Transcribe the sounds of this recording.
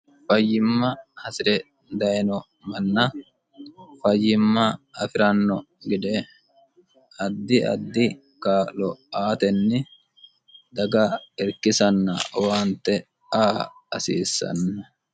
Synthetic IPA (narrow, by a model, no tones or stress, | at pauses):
fɐjːɪmːɐhɐsɪɾɛ | d̪ɐjnɔ | mɐnːɐ | fɐjːɪmːɐɐfɪɾɐnːɔ | ɡɪd̪ɛ | ʔɐd̪ːɪʔɐ̰d̪ːɪ | kalɔʔaːt̪ɛnːɪ | d̪ɐɡɐɛɾkɪsɐnːɐ̰waːnt̪ːɛ | aːɐsiːsːɐ̰nːɐ